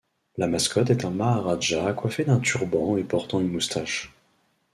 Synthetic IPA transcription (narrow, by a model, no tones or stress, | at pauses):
lamaskɔt̪ɛt̪ɛ̃maːʁaʒaːkwafed̪ɛ̃t̪yʁbɑ̃epɔʁt̪ɑ̃ynmust̪ʰaʃ